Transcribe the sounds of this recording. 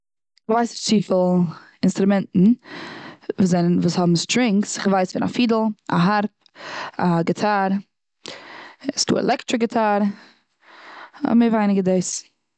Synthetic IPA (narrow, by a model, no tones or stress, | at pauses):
məvaɪsɪt͡siːfɪlˠ | ɪnstɾʊmɛntn̩ | vuːzɛnənvuːshɔbm̩stɾɪŋksɪχvaɪsfɪna̰fiːdl̩ˠa̰ɦaɾp̚ | aɡɪtʰaːɾ | ɪsdṵːɛ̰lˠʔɛktɾɪɡɪtʰaːɾ | a̰mevaɪnɪɡədeɪs